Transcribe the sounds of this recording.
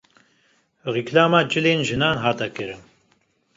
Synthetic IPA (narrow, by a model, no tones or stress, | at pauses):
rikʰlaːmaːd͡ʒɨleːnʒɨnaːnɦaːt̪ɛkɨɾɨn